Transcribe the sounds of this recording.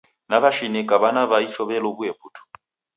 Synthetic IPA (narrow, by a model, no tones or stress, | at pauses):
naβaʃinikʼaβanaβaiɬɔβɛlɔbujɛpʰʼuːtʰu̥